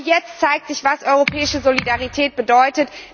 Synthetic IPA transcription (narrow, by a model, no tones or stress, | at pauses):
jɛt͡stt͡saɪk̚tz̥ɪçv̥asʔɔʏʁopʰɛːɪʃəzolidaʁitʰɛːt̚b̥ədɔʏtət